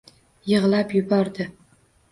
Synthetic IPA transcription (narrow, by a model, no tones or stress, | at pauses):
jɨʁlˠapjʊbɒɾd̪ɪ